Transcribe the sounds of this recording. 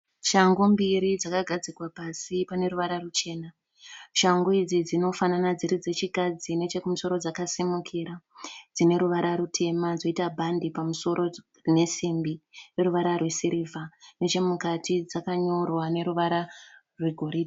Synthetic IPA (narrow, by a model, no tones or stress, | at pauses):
ʃaŋɡombiɾid͡zakaɡʱad͡zikwapasipane̞ɾuʋaɾarut͡ʃe̞ːna | ʃaŋɡoid͡zid͡zino̞fananad͡ziɾid͡ze̞t͡ʃikad͡zine̞t͡ʃekumuso̞ɾo̞d͡zakasimukʰiɾad͡zine̞ɾuʋaɾaɾutʰe̞mad͡zo̞itabʱandipamuso̞ɾʔo̞ | ne̞simbire̞ɾuʋaɾarwe̞siɾivane̞t͡ʃe̞mukatʰid͡zakaɲo̞rwane̞ɾuʋaɾa | rweɡʱo̞ɾidi